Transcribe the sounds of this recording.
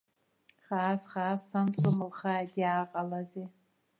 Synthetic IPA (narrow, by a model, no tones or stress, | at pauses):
χaːsχaːsːansumɨlχajdʼjaːqʼalaze